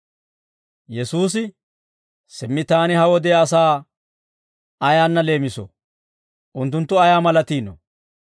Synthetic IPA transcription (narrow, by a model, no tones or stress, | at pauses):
jɛsuːs̬ɪ | sɪmːɪt̪aːnɪɦɐwɔd̪ɛːsaː | ɐjaːnːɐle̞ːmɪsɔ̰ | ʔʊnt̪̬ːʊnt̪ːʊɐjaːmɐlɐt̪iːnɔ̰